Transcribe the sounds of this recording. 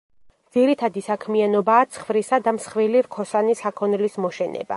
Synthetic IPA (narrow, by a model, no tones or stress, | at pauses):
d̪z̥iɾit̪ʰad̪isakʰmianɔbaːt̪sʰχvɾisad̪amsχviliɾkʰɔsanisakʰɔnlismɔʃɛnɛ̰ba̰